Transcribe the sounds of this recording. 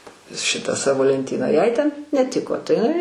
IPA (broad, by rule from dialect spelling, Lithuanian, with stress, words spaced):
ˈʃʲɪtɑː ˈsɑːʋoː lʲɛnʲˈtʲiːnɑː jɛɪ tʲɛn nʲɛˈtʲɪkoː tɐɪ ɪˈnɐɪ